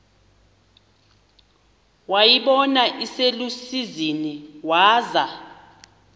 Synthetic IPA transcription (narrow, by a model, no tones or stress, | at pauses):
wajiɓɔnaʔiselusiziniwaːza